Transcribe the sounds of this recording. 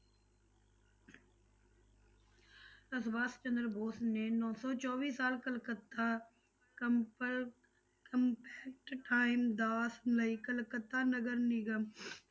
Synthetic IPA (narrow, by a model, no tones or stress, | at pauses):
əsbaːst͡ʃə̃nd̪ɾbʱoːsneːnɔːsɔːt͡ʃɔːʋiːsaːlkəlkət̪a | kəmpʰɛːk̚ʈʈaːɪmd̪aːsmləiːkəlkət̪ːaːnəɡəɾnɪɡəm